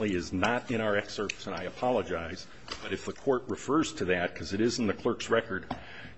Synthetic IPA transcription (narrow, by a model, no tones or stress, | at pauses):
ʔliɪznəɾɨ̃ɾ̃aʊə˞ɛksɜ˞ksɨ̃naɪɨpʰɑlˠəd͡ʒaɪz | b̥ʌɾɨfðɨkʰɔɹʔ̚ɹɨfɜ˞z̥tʰɨðɨt̚kʰʌzɨɾɪzn̩ðɨkʰl̥ɜ˞ksɹɛkə˞d̥̚